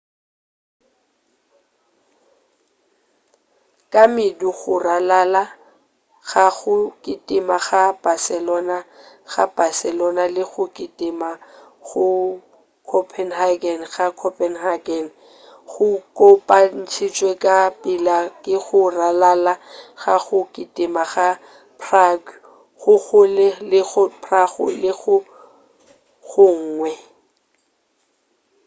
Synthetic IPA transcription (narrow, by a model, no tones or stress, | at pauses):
kʼamɪduɣʊralala | ɣaɣʊkʼɪtʼɪmaɣab̥asɛlɔna | ɣa̰b̥asɛlɔnalɪɣʊkʼɪtʼɪma | ɣʊ | kʰɔpʰɛnɦaɡɛnɣakʰɔpʰʼɛnɦaɡɛn | ɣʊkʼopʼan̩t͡ʃʰit͡ʃʼwekʼapʼilakʼɪɣʊralalaɣaɣʊkʼɪtʼɪmaɣa | pʰraɡ | ɣʊɣʊlɪlɪɣʊpʰraɣʊ̰lɪɣʊ | ɣʊŋ̩ːŋwɛ